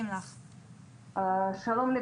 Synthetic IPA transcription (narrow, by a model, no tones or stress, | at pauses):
mlaχ | ʃalomle